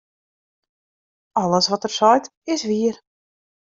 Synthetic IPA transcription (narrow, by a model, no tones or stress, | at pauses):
ɑləsʋɔtərsɔjtɪsʋiər